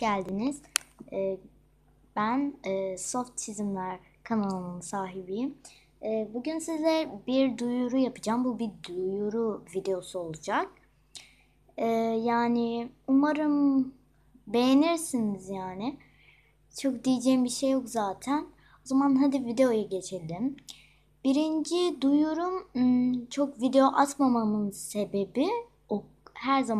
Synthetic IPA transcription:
ɟælʲd̪iniz̥ɛː | b̥ænɛːso̞ft̪t͡ʃʰizimlʲæɾ | kʰanalˠɯnɯnsaːɦibijimː | buɟynsizɛbiɾd̪ujuɾujapʰɯd͡ʒaːmbubid̪ujuɾuvid̪e̞jo̞suo̞lˠud͡ʒak̚ | ɛːjaːnɪumaɾɯm | be̞jeniɾsinizjaːnɪ | t͡ʃʰo̞kd̪ijid͡ʒɛjimbiʃejːokzaːt̪ʰæn | o̞zamanɦad̪ivid̪e̞jo̞jaɟe̞t͡ʃʰelʲd̪im | b̥iɾind͡ʒid̪ujuɾum | t͡ʃʰo̞kvid̪e̞joʔat̪mamanɯnse̞be̞bi | o | hæɾza

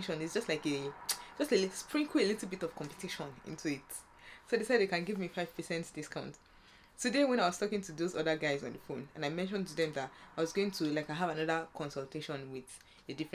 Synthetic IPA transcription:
ʃɔ̃nɪtsd͡ʒʌstlaɪke̥d͡ʒʌstespɹĩŋkʰuelitl̩ˠbitɔv̥kʰɔ̃mpə̥tʰiʃɔ̃nḭ̃ntʰuit | sodisaɪdekãnɡivmifaɪv̥pəsɛ̃ntdiskãʊ̃ntː | udewɛ̃naɪwɔz̥tʰɔkĩŋtʰuðozɔðəɡaɪzɔ̰̃nðəfõnãnaɪmɛ̃nʃ̬ɔ̃ntuðɛ̃mðataɪwɔzɡoɪ̃ŋtʰulaɪkaɦavanʌðəkʰɔ̃nsɔlˠtʰeʃɔ̃nwɪð | ədifɹɛ̃

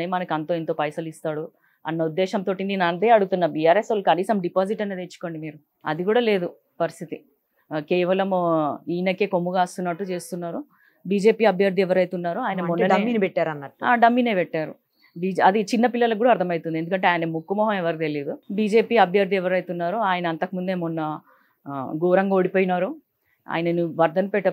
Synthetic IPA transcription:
ejmɐnɐkɐnt̪o̞ːent̪o̞ːpɐjsɐlist̪aːɽu | ɐ̰nːɐud̪ːɛːʃɐmt̪o̞ːʈind̪inaːnd̪eːɐɽut̪unːɐbijaːɾesɐlɐkɐniːsɐmɖipaːd͡ʒiʈɐne̞ːd̪eːt͡ʃːu̥ko̞ːɳɖimiːɾu | ɐ̰d̪iɡuːɽaːle̞ːd̪u | pɐɾist̪ʰit̪i | kɛːʋɐlɐmiːnɐkːeːkomːuɡaːst̪unːɐʈːut͡ʃe̞ːst̪unːaːɾu | biːd͡ʒe̞ːpiːɐbʱjɐɾd̪iɛʋɐɾɐjt̪unːaːɾuaːjɐnɐmɔnːɐnɐmːinpɛʈːaːɾɐnːɐʈːa̰ːɖɐmːiːneːpɛʈːaːɾṵ | bid͡ʒɐd̪it͡ʃinːɐpilːɐlɐɡuːɽaːɐɾtd̪ʰɐmɐjt̪und̪ied̪ukɐɳʈ̬e̞aːjɐnɐmukːumɔːɦɐmɛʋɐɾkit̪elid̪ubiːd͡ʒe̞ːpiːɐbʱjɐɾd̪ʱiɛʋɐɾɐjt̪unːaːɾoaːjɐnɐɐnt̪ɐkmund̪eːmunːɐ | ɡuːɾɐŋɡaoɽipoːjinaːɾu | a̰ːjɐnɐniʋɐɾd̪ʱɐnpɛʈːɐ

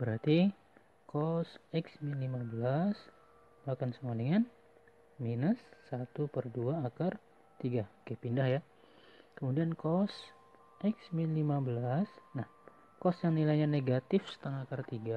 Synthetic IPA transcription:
bəɾart̪i | kɔsɛksminlimabəlas | mahkansəmuadəŋan | minəsːat̪upərduaːkar | t̪iɡakepindahja | kəmudiankɔs | ʔɛksminlimabəlasnah | kɔsjaŋnilajɲaneɡat̪ɪfsə̥t̪əŋakart̪iɡa

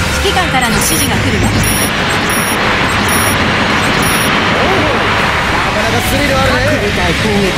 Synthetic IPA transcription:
sɨ̥kʲikãŋkaɾanoɕiʑiɡakɯ̟ɾɯt̪a | o | nakanakasɨɾʲiɾɯaɾɯe | ako

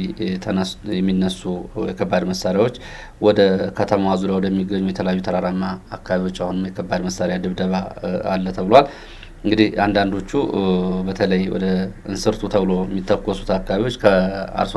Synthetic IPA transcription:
t̪ʰənəjɛmːinːəsujɛkʰəbːad̪məsːaɾjawot͡ʃː | wɔd̪əkʰət̪ʰəmawazud̪awd̪əjɛmːiɡəɲːujɛt̪ʰəljajːut̪ʰəɾaɾamːaːkːaβiwo̞t͡ʃːahunɨmjɛkʰəbːad̪məsaɾejad̪ɨβd̪əβaa̰lːət̪ʰəβɨlowal | ɨŋɡɨd̪ihand̪and̪o̞t͡ʃːubət̪ʰələjwɔ̰d̪əɨnsɨɾt̪ʰut̪ʰəβɨlo̞ɛmːit̪ʰːəkʼːɔsu̥t̪akːaβiwo̞t͡ʃːkʰəa̰ɾs

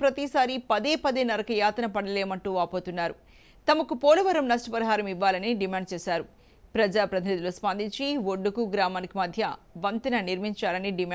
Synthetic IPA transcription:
pɾɐt̪isaːɾipɐd̪eːpɐd̪eːnɐɾɐkɐjaːt̪ɐnɐpɐɽɐleːmɐɳʈuːaːpo̞ːt̪unːaːɾu | t̪ɐmɐkupoːlɐʋɐɾɐmnɐsʈɐpɐɾiɦaːɾɐmiʋːaːlɐniɖimaːɳɖ̚t͡ʃɛːsaːɾu | pɾɐd͡ʒaːpɾɐt̪ʰinid̪uluspɐnd̪iɲt͡ʃiʋoɖːukuɡɾaːmaːnikimɐd̪ʱjɐ | ʋɐnt̪ɐnɐniɾmiɲt͡ʃaːlɐniɖima

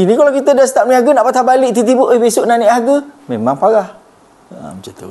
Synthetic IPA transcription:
inikalawkit̪ədast̪aʔmniaɡənaʔpat̪abaliʔt̪it̪̬iboʔəhbesʊʔnaniʔaɡəmemaŋpaɣah | a̰mət͡ʃat̪ṵ

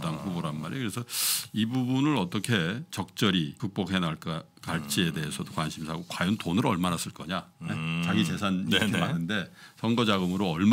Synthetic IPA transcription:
t͈ankuboɾanma̰ɾekɯɾe̞sʰʌibubunɯɾʌt͈ʌkʰe̞t͡ɕʌk̚t͡ɕ͈ʌɾikɯk̚p͈okɦe̞naɭk͈ | kaɭt͡ɕʰie̞de̞ɦesʰʌdokwanɕʰimsʰaɡokwajʌntonɯɾʌɭmanas͈ɯɭk͈ʌɲaet͡ɕaɡit͡ɕe̞sʰanitʰemanɯnde̞t͡ɕʌŋɡʌd͡ʑaɡɯmɯɾoʌɭm

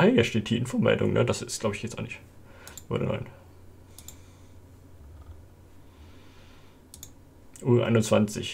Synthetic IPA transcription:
ɛjɛɐʃteːt̚d̥iːʔɪnfoːmɛ̰ldʊ̰ŋnʔədasɪstɡ̥laʊbəɪçɡ̥ɛtt͡sʔa̰nɪçt | ʔo̰də̰nɔ̰ɪn | ʔuːʔa̰ɪnʊnt͡sv̥ant͡sɪç

